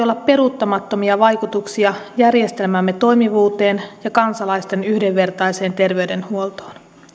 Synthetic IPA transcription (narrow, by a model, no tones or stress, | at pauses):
o̞lːɑpːe̞ɾut̪ːɑmɑt̪ːo̞miɑʋɑjkut̪uksiɑjærje̞st̪e̞lmæmːet̪o̞jmiʋuːt̪eːnjɑkɑnsɑlɑjst̪e̞nyhdeʋːe̞rt̪ɑjse̞ːnt̪e̞rʋe̞yde̞nhuolt̪o̥ːn